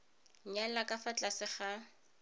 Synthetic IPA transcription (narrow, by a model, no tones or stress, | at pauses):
ɲalakʼafat͡ɬʼasɪχa